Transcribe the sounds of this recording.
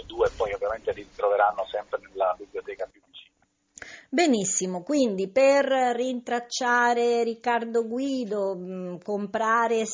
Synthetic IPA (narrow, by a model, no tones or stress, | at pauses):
d̪uːepːɔjovjament̪eɾiit̪ɾoveɾanːosɛmpɾenelːabiblijot̪ɛːkapuvit͡ʃiːna | benisːimokwind̪iperːint̪ɾat͡ʃːaːɾeɾikːard̪oɡwiːd̪okompɾaːɾe